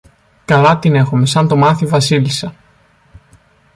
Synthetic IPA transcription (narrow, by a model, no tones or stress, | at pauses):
kɐlɐt̪ine̞xume̞sɐnt̪omɐθivɐsilisɐ